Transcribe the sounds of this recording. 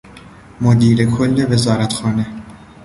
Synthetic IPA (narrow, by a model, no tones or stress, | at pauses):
mod̪iːɾekʰolːevezɒːɾæt̪xɒːne